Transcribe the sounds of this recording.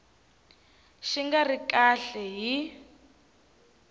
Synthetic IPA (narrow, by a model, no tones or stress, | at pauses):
ʃiŋɡarikʼaɬɛɦi